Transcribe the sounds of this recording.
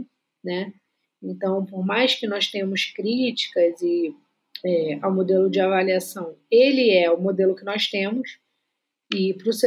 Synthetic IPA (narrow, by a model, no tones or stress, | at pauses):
nɛ | ẽnt̪ɐ̃w̃poɾmajskɪnɔst̪ẽmʊskɾit͡ʃi̥kɐzɪ | ɛawmod̪elʊd͡ʒɪavaliasɐ̃w̃elɪɛʊmod̪elʊkɪnɔst̪ẽmʊs | ɪpɾʊs